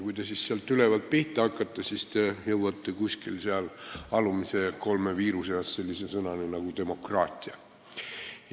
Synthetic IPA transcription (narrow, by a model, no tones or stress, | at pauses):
kujt̪e̞sisseɑlt̪ːyle̞vɑlt̪̚piht̪ˑehɑkːˑɑt̪ːˑɑsist̪ejɤwɑt̪ːekusʲkilseɑlɑlumise̞ko̞lmeviːɾuseɑsse̞lʲːisesɤnɑninɑɡ̥ut̪e̞mo̞krɑːt̪ʲˑiɑ | j